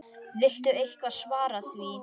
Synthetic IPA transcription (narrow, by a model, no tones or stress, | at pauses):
vɪl̥t̪ʏejhkvaðsvaːɾaθvi